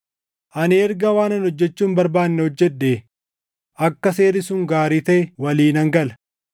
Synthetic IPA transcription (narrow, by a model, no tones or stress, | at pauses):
ʔɐnɪɛɾɡɐwaːnɐnhɔd͡ʒːɛt͡ʃːuːmbɐɾbaːnːɛhɔd͡ʒːɛɗːeː | ʔɐkːɐseːɾɪsʊŋɡaːɾiːt̪ɐʔɛwɐliːnɐŋɡɐlɐ